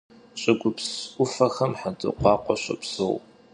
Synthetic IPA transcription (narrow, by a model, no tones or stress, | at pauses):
ɕʼɪɡʷʊpsʷʊfɐxɐmħadʼɨ̰qʷɑːqʷɔɕʼɐ̰psow